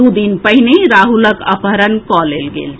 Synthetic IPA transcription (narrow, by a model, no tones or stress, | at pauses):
ud̪inpəɦineɾaɦuləkə̰pɦəɾənkɔlelɡḛːl